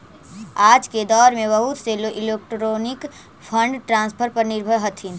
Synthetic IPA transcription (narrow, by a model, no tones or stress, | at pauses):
aːd͡ʒked̪ɔːɾmẽbəɦut̪seloʔɪleːk̚ʈɾoːnɪk | pʰə̃ɳɖʈɾãːnspʰəɾpɐɾnɪɾbʱəjɦət̪ʰin